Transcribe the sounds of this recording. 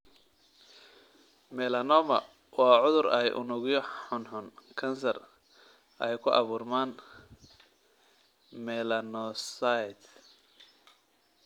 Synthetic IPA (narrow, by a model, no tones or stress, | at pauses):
mɛlɐnɔmɐ | wɑːʕʊðʊrɛjʔʊ̰nʊɣjɔħɔnħʊnkʰɐnsɐr | ɛjkʰʊʔɑβuːrmaːn | mɛlɐnɔsajd̪